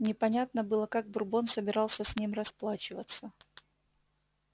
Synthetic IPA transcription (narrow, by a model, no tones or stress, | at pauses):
nʲɪpɐnʲat̪nəbɨlˠəkaɡ̚bʊrbonsəbʲɪɾɑlˠsʲəsʲnʲimrɐsplˠat͡ɕɪvət̪sːə